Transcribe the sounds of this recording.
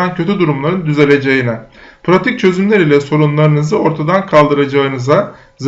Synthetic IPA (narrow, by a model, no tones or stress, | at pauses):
ancʰø̞t̪ʰyd̪uɾumlˠaɾɯnd̪yze̞lʲe̞d͡ʒe̞jinɛpʰɾat̪ʰic̚t͡ʃʰø̞zymlʲeɾilʲɛso̞ɾunlˠaɾɯnɯzɯo̞ɾt̪ʰad̪ankʰalˠd̪ɯɾad͡ʒaɯnɯza | z